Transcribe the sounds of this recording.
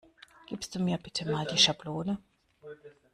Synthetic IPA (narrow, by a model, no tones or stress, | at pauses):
ɡ̥iːpstd̥uːmiːɐbɪtʰəmaːldiːʃabloːnə